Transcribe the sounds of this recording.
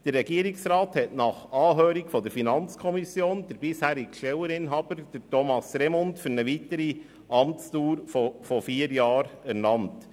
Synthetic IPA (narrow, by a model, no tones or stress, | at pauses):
d̥əɾːɛɡiəɾɪksɾɑːthɛtnɑχɑːɦøːɾikfɔd̪əɾfinɑnt͡skʰɔmisjoːnd̥̪əɾbɪshæːɾɪɡʃtɛwəɾɪnɦɑːb̥əɾd̥əɾtɔmɑsɾɛmɔntfyɾnəʋitəɾi | ʔɑmt͡stuːɾfɔfɔfiːəɾjɑːɾæɾnɑnt